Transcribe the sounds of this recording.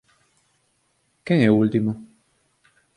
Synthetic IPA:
kɛŋeult̪imo

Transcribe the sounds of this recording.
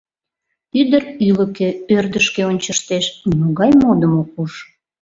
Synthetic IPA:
yd̪əryləkeørd̪əʃkeonʲt͡ɕəʃt̪eʃmoɣɑjmod̪əmok̚uʃ

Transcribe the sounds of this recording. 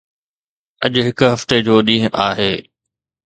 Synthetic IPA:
ɐʄʊɦɪkʊɦɐft̪ed͡ʑoːɗĩːɦʊ̃ʔaːɦeː

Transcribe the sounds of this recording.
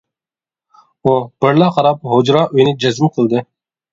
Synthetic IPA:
ub̥ɨɾlˠɑqʰɑɾɑp̚ɦod͡ʒɾɑːʔyjnɪd͡ʒɛzɪmqʰəlˠd̪ɨ

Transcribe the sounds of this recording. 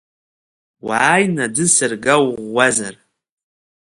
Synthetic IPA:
wajnadɨsɨrɡawʁːazar

